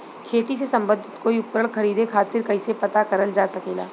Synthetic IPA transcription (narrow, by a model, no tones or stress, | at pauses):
kʰeːt̪is̬esɐ̃mbəd̪ʱɪt̪koːiʊpɾəɭkɐɾiːd̪ekʰaːt̪ɪɾkɐɪsepɐt̪akɐɾəld͡ʒaːsɐkeːlaː